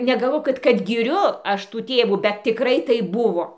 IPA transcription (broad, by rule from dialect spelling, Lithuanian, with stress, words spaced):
nʲɛɡɐˈlˠʋoːk kɐt kɐt ɡʲɪˈrʲʊ ˈɐʃ tuː ˈtʲeːʋuː bʲɛt tʲɪˈkrɐɪ ˈtɐɪp ˈbʊʋoː